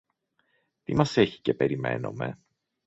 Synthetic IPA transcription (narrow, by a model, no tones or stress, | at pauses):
t̪imɐse̞çi̥ce̞pe̞ɾime̞̰no̞̰me̞̰